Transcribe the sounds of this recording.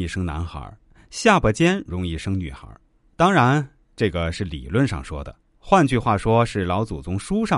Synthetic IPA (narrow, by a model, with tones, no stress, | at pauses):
i˥˩ʂɤ˥ŋna̰˧˥nxə̰˧˥ | ɕja˥˩pə˧˥t͡ɕjɛ˥nɻʊ˧˥ŋi˥˩ʂɤ˥ŋny˨˩xə̰˧˥ | t̪ɑ˥ŋɻa˧˥n | ʈ͡ʂɤ˥˩ɡə˩ʂɻ̩˥˩lḭ˨˩lwə˥˧nʂɑ̰˥˩ŋʂwɔ˥d̪ə̰˩ | xwa˥˧nt͡ɕy˥˧xwa˥˩ʂwɔ˥ʂɻ̩˥˩lɑ˧˥ʊt͡su˨˩t͡sʊ˧˥ŋʂu˥ʂɑ˥˨